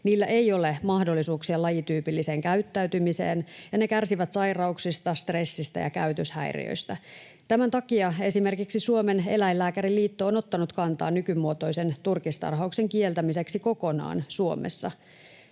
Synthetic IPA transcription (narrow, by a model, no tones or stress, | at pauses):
niːlːæʔejo̞le̞mɑhdolːisuːksiɑlɑjit̪yːpilːise̞ːŋkæyt̪ːæyt̪ymise̞̰ːnjɑne̞kærsiʋæt̪sɑjrɑuksist̪ɑst̪re̞sːist̪æ̰jɑ̰kæyt̪øshæ̰jrḭø̰jst̪æ | t̪æmænt̪ɑkiɑe̞simerkiksisuome̞ne̞̰læilːæːkæɾilːiːt̪ːo̞ːno̞t̪ːɑnut̪kɑnt̪ɑ̰ːnnykymuot̪o̞jse̞nt̪urkist̪ɑ̰rɦɑukse̞ŋkielt̪æmise̞ksiko̞ko̞nɑ̰ːnsuomḛsːɑ̰